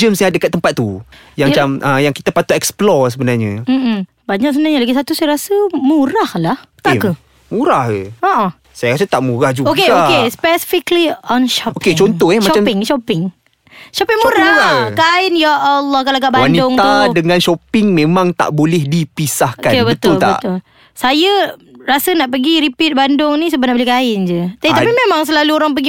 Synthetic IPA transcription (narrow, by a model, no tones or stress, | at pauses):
d͡ʒəmsɲadəkat̪ːəmpat̪̚ːujãŋmat͡ʃamʔəjaŋkit̪apat̪uɛksplɔsəbənarɲəm̩ʔ̩ | baɲaʔsəbənaɲalaɡisat̪usajaɾasəmuɾahlaht̪akə | muɾahəɔʔɔ | sajaɾas̬ət̪aʔmuɾahd͡ʒuokeaoespɛsi̥fikliɔnʃɔpoket͡ʃɔnt̪ɔhɛmmat͡ʃampɪŋʃɔpɪŋ | ʃɔpɪŋmuɾaakaɪnjaʔalːɔhkalaɡaʔbawannidʊŋt̪audəŋãnʃopɪŋmẽmãŋt̪a̰ʔbolɛhdipisahkakenbət̪ʊllt̪abə̰t̪ʊl | sajərasənaʔpəɡiɾipit̪̚bandʊŋnĩs̬əbatnaʔbəlihkaɪnd͡ʒət̪apit̪apimemãŋs̬əlaluoɾaŋp̬əɡi